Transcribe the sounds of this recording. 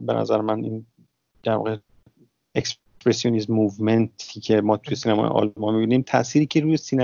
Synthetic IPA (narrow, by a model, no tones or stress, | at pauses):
benʔæ̰zæɾemænʔin | d̪̥æɾvɒ̰ɣe | eks | ppɾesijonismuvment̪ʰicʰe̞mɒːt̪ʰujesiːnæmɒ̰jḛʔɒ̰lmɒmibinimt̪ʰæ̰ʔsiːɾiːcʰe̞ɾujesiːnæ